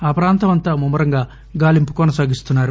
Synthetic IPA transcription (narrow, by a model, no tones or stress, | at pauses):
aːpɾaːnt̪ɐmɐnt̪aːmumːɐɾɐŋɡaː | ɡaːlimpu̥kɔnɐsaːɡist̪unːaːɾu